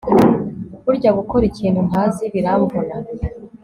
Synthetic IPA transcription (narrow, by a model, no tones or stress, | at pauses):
uɾɟaɡukoɾiciːnhunaːziβiɾaβuβona